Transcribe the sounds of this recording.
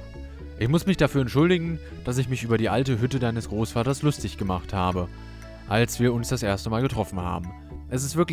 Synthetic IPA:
ʔɪçmʊsmɪçd̥afyːɐɛntʃʊldɪɡŋ̩ | d̥as̬ɪçmɪçʔyːbɐɾiːʔaltəɦʏtədaɪnəsɡ̥ʁoːsfaːtɐslʊstɪçɡ̥əmaχthaːbə | ʔalsv̥iːɐʊnsd̥asʔeːɐstəmaːlɡətʁ̥ɔfn̩ha̰ːbm̩ | ʔɛs̬ɪstv̥ɪɐk

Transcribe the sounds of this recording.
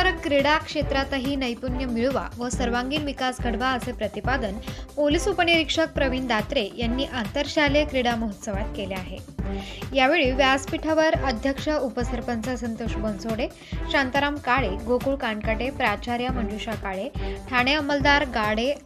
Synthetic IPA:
aɾəkkːɾiɽakʂet̪ɾat̪əɦiːnəjpunjəmiɭʋa̰ʋəsəɾʋaŋɡiːnʋikasɡʱəɽʋaəsepɾət̪ipad̪ənpoliːsupəniɾikʂək̚pɾəʋiːnd̪at̪ɾejanːiːʔant̪əɾɕalekɾiɽaməɦət̪səʋat̪keleaɦḛ | jaʋeɭiːʋjaspiʈʰaʋəɾəd̪ʱjəkʂəupəsəɾpənt͡sasənt̪oʂbonsoɽe | ɕant̪əɾamkaɭeɡokuɭkaɳkaʈepɾat͡ɕaɾjaməɳd͡ʑuɕakaɭeʈʰaɽ̃eəməld̪aɾɡaɽe

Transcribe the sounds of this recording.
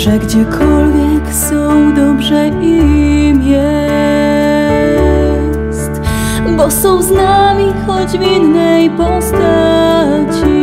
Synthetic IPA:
ʐɛɡd͡ʑɛkʰɔlvʲjɛksɔ̃w̃d̪ɔbʐɛʔimjɛ | st̪ | bɔsɔ̃w̃znamʲixɔd͡ʑvinːɛjpɔst̪a | t͡ɕi

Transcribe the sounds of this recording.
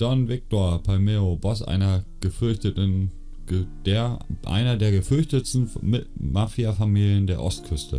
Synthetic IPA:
d͡ʒ̥ɔnvɪk̚toːɐpʰalmeːobɔs̬ʔa̰ɪnɐɡ̥əfʏɐçtətən̥ | d̥eɐʔa̰ɪnɐdeːɐɡəfʏɐçtəstn̩mɪtmafiafamiːljəndeːɐʔɔstkʰʏstə̰

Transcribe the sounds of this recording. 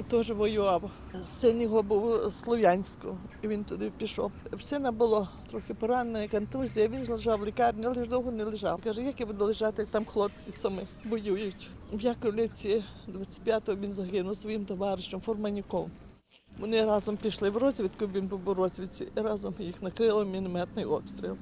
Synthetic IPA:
t̪ɔʒɪʋɔjʊʋaw | sɪnʲɔɦɔbuwslˠɔʋʲjanʲsʲkʊ̰iʋʲint̪ʊd̪ɪpʲiʃɔ̰wsʲɪnɐbʊlˠɔt̪ɾɔxʲɪpɔɾanːɔjɐkɐnt̪uzʲijɐʋʲinzlˠeʒawlˠʲɪkɑrʲnʲialˠɪʒd̪ɔwɦɔnɛlˠɪʒɑ̰wkaʒɛjakibud̪ʊlˠɪʒat̪ɪt̪amxlˠɔp̚t͡sʲisɐmɪbɔjujʊtʲ | ʋjakwlʲɪt͡sʲid̪ʋat͡sʲːɪ̥tʲpʲjat̪ɔɦɔʋʲinzɐɦɪnʊwsʋɔjimt̪ɔʋɑɾɪʃt͡ʃɔmfɔrmɐnʲikɔm | ʋɔnɪɾɑzɔmpʲiʃlˠɪwrɔzʲʋʲit̪kʊbʲʋʲinbuwbʊwɾɔzʲʋʲit͡sʲḭiɾɑzɔmjixnɐkɾɪlˠɪmʲinmɛt̪nɪjɔpst̪ɾʲḭlˠ

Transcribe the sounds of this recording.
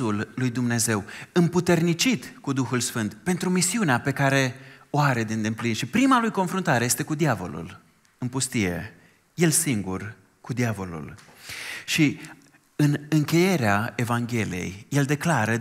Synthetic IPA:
ulːujd̪umne̞ze̞wɨmput̪e̞rnit͡ʃit̪kud̪uxulsfɨnt̪pe̞nt̪ɾumisiuneape̞kaɾe̞oaɾe̞d̪end̪implinʃipɾimalujko̞nfɾunt̪aɾe̞je̞st̪e̞kud̪iavo̞̰lṵl | ɨmpust̪ije̞̰ | je̞lsiŋɡur | kud̪iavo̞lṵl | ʃi | ɨnɨŋkʲe̞je̞ɾeae̞vaŋɡʲe̞lije̞̰jje̞ld̪e̞klaɾə

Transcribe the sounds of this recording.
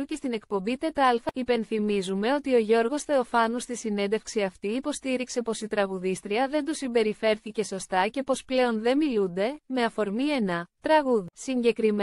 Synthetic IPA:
ucest̪ine̞kpo̞mbit̪e̞t̪ɐlfɐipe̞nθimizume̞o̞t̪io̞ʝo̞ɾɣo̞sθe̞o̞fɐnust̪isine̞nd̪e̞fksiɐft̪iːpo̞st̪iɾikse̞po̞sit̪ɾɐɣuðist̪ɾiɐðe̞nd̪usimbe̞ɾife̞ɾθice̞so̞st̪ɐce̞po̞sple̞o̞nðe̞milund̪e̞me̞ɐfo̞ɾmienɐt̪ɾɐɣuðisiɲɟe̞kɾim

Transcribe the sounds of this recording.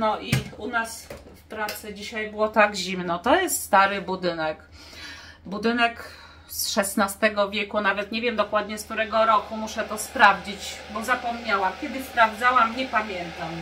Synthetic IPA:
nɔʔiunas | fpɾat̪sɘd͡ʑiɕajbɘwɔt̪aɡʑimnɔt̪ɔjɛst̪st̪aɾɘbud̪ɘnɛk | bud̪ɘnɛk | sʂɛsnast̪ɛɡɔvʲjɛkunavɛt̪ɲevʲjɛmd̪ɔkwad̪ɲɛsk̚t̪uɾɛɡɔɾɔkumuʂɛt̪ɔspɾavd͡ʑit͡ɕbɔzapɔmɲawakʲjɛd̪ɘspɾavd̪zawamɲɛpamʲjɛnt̪am

